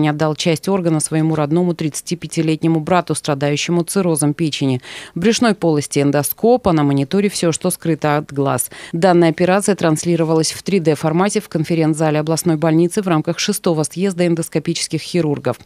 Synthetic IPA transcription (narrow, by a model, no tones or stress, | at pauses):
nʲɐd̪ːalˠt͡ɕæsʲtʲo̞rɡənəsvəjɪmuɾɐd̪no̞mʊt̪ɾʲɪt̪sɨ̥tʲipʲɪtʲɪlʲetʲnʲɪmʊbɾat̪ʊst̪ɾɐd̪ajʉɕːɪmʊt̪sɨɾo̞zəmpʲet͡ɕɪnʲɪbɾʲɪʂno̞jpo̞lˠəsʲtʲɪɛnd̪ɐskopənəmənʲɪt̪o̞ɾʲɪfsʲoʂt̪oskɾɨt̪əɐt̪ɡlˠa̰sd̪anːəjɐpʲɪɾat̪sɨjət̪ɾɐnslʲiɾəvəlˠəsʲft̪ɾʲɪd̪ɛfɐrmatʲɪfkənfʲɪɾʲe̞nt̪zalʲɪɐblˠɐsno̞jbɐlʲnʲit̪sɨvramkəxʂɨst̪o̞vəsjezd̪əɛnd̪əskɐpʲit͡ɕɪ̥skʲɪxxʲɪɾurɡəf